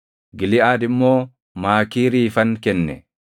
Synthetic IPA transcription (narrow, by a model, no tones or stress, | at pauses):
ɡɪlɪaːd̪ɪmːo̞ː | maːkiːɾiːfɐŋkɛnːɛ